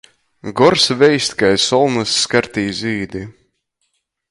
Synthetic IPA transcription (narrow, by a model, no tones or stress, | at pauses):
ɡɔɾsvʲɛjst̪kajsɔlˠnɨsːkaɾt̪iːziːd̪i